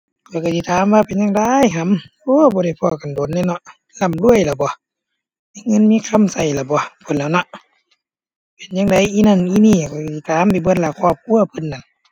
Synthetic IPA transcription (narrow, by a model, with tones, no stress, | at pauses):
kʰɔː˧˩˨ka˧˩si˧˨t̪ʰaː˨˦mʋaː˧pe˨nɲa˧ŋda˧˨jɦa˧˥˨mʔoː˧˦˨bɔː˧ɾa˧˩jpʰɔː˧˩˨ka˨ndo˨˦˨nːa˧˨nɔ˧ʔ | la˧˩˨mlu˧˨əjla˧˩bɔ˧˨ | a˧˨ŋɤ˧˥˨nmiː˧˥˨kʰa˧˥˨msa˧˩jla˧˩bɔ˧˦pʰo˧˨nla˧˨nɔ˧˦ʔ | pe˨nɲa˧ŋda˨˧˦jʔiː˧˨na˧˩nʔiː˧˨niː˧˩˨kʰɔː˧˩ksi˧˨t̪ʰaː˨˦mpa˨jbɯ˧˨nlaː˧˩kʰɔː˧˩p̚kʰu˧˨ɐpʰɯ˧˨nːa˧˩n